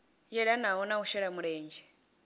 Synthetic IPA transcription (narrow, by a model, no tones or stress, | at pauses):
jɛɺanaɔnauʃɛɺamuɺɛːnd͡ʒɛ